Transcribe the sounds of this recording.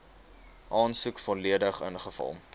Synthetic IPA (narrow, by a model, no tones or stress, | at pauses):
ʔɑːnsukfɔliədəχənχəfɐ̰lˠ